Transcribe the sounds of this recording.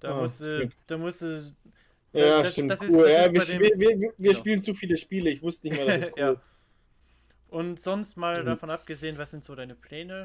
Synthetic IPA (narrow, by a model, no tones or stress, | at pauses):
d̥aːmːʊsumtd̥aːmʊsdu | jaːʃtɪmtdsuːljaːviːɐːviːɐviːɐviviːɐʃpiːlənt͡sufiːləʃpiːləɪçv̥ʊstənɪçtmeɐdasskʰuːlɪs | ʔʊntz̥ɔnstmaːldafɔnʔap̚ɡ̥əzeːənvasz̥ɪntz̥oːdaɪnəpʰl̥ɛːnə